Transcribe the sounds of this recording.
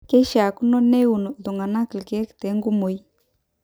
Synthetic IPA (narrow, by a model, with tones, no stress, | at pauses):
kɛ˦ʃa˨ku˦nɔ˦nɛ˦u˨no˨ðu˨ŋɡa˨na˦klke˨ɛ˦ktɛ˨˦ŋɡu˦mo˨i˦